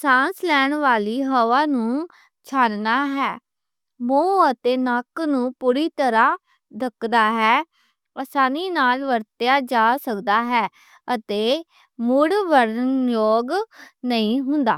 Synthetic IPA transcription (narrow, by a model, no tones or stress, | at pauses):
sãːnslɛːɳʋaːliːɦəʋaːnũː | t͡ʃʰaːnnaːɦɛː | mõːət̪eːnəknũːpuːɾiːt̪əɾãː | d̪əkd̪aːɦɛː | aːsaːniːnaːlʋəɾt̪jaːd͡ʒaːsəkd̪aːɦɛː | ət̪eː | mʊɽʋəɾnjoːɡnəĩːɦʊnd̪a̰ː